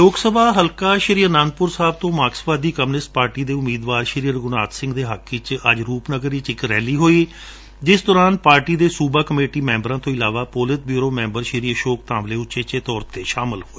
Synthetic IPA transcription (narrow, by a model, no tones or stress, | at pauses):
loːɡsəbaːɦəlkaːʃəɾiːənãːnpʊɾsaːbt̪õːmaːksʋaːd̪iːkəmnɪsʈ̚paːɾʈiːd̪eːʊmiːd̪ʋaːɾʃəɾiːəɾɡʊnaːt̪sɪ̃ŋɡd̪eːɦəkʰɪt͡ʃəd͡ʒɾuːpnəɡəɾiːt͡ʃɪkɾɛːliːɦoːiː | d͡ʒɪsd̪ɔːɾaːnpaːɾʈiːd̪eːsuːbaːkəmeːʈiːmɛ̃ːmbəɾãːt̪õːɪlaːʋaːpoːlɪt̪̚bjuːɾoːmɛ̃ːmbəɾʃɪɾiːəʃoːkt̪ãːʋleːʊʃeːt͡ʃeːt̪ɔːɾt̪eːʃaːmɪlɦoːeː